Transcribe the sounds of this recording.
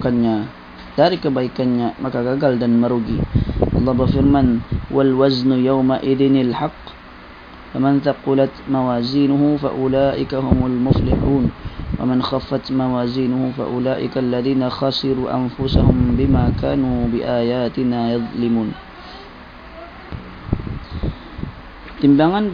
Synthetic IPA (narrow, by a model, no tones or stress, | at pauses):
kanjaː | t̪aːlɪkabajkanːamakaɡaɡald̪anmɑɾˤuːɡiːʔɑlˤːɑːbaɣfɪɾmanhʊwalwaznjawmaʔɪðɪnalħɑqː | famanθɑqʊlat̪mawaːziːnʊhʊfa̰ʔʊlaːʔɪkahʊmʊlmʊflɪħuːnwa̰manxafːat̪mawaːziːnʊhʊmfa̰ʔʊlaːʔɪ̰kalːaðiːnaxɑsˤɨɾuːʔa̰nfʊsahʊmbɪmaːka̰ːnuːbɪʔaːjaːt̪ɪnaːjɑðˤlɪmuːn | t̪ɪmbaːɣan